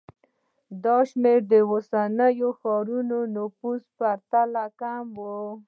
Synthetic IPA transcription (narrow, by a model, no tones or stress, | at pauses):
d̪ɑʃmeɾd̪əwosanəjoxɑɾunonofuspaɾt̪alakamwo